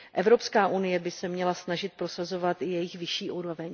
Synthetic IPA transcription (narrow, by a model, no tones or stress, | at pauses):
ʔɛvɾo̞pskaːʔunɪjɛbɪsɛmɲɛlasnaʒɪt̪̚pɾo̞sazo̞vat̪ɪjɛjɪxvɪʃiːʔuːɾo̞vɛɲ